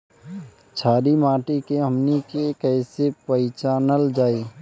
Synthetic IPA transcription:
t͡ʃʰaːɾimãːʈikeɦəmnikekɛːsepəɪt͡ʃaːnəld͡ʒaːeː

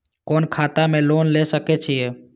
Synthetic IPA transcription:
koːnkʰaːt̪amẽloːnlesəkɛt͡ʃʰie

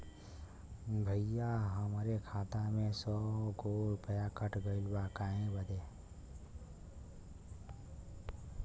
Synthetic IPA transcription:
bʱəɪjaɦəmɾekʰaːt̪amẽsɔɡoːɾpəjakəʈʰɡəɪlbakaːẽbəd̪e

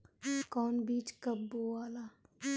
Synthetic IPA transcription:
kɔːnbiːt͡ʃkəbːoaːlaː

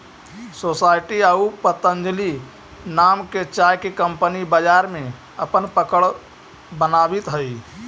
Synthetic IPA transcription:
sosajʈiaupət̪ənd͡ʒli | namket͡ʃajkekəmpənibəd͡ʒaɾmẽ | əpənpəkəɭ | bənabit̪ɦəi

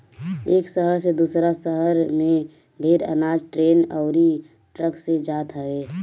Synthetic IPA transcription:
eːksəɦəɾsed̪uːsɾasəɦəɾmẽ | ɖʱeːɾə̰naːd͡ʒʈɾeːnɔʊɾi | ʈɾəksed͡ʒaːt̪ɦəʋeː

